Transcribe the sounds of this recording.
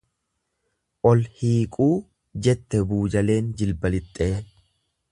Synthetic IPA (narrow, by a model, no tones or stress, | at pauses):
ʔɔlhiːkʼuː | d͡ʒɛt̪ːɛbuːd͡ʒɐle̞ːnd͡ʒɪlbɐlɪt̪ʼːe̞ː